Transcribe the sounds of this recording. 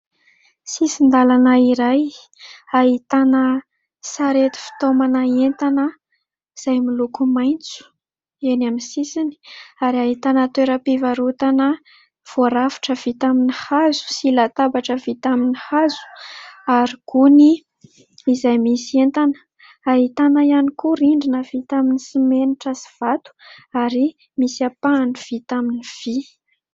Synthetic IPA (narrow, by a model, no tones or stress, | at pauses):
sisind̪alanəiɾaj | aɦit̪anə | saɾet̪i̥fi̥t̪omanaent̪anə | z̥ajmilukumajnt͡su̥ | enaminsisini̥aɾiaɦit̪anət̪weɾəpivaɾut̪anə | v̥oɾavḁʈ͡ʂəv̥it̪aminihazu̥silat̪abaʈ͡ʂəvit̪aminihazu̥aɾikuniː | zajmisent̪anə̥ | aɦit̪anəjanikuɾiɳɖ͡ʐinəv̥it̪aminisimeniʈ͡ʂəsi̥v̥at̪u̥aɾi | misapaːniv̥it̪aminiv̥i